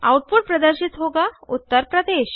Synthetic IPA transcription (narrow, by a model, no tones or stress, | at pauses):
awʈ̚puʈ̚pɾəd̪əɾɕit̪ɦoɡaut̪ːəɾpɾəd̪eɕ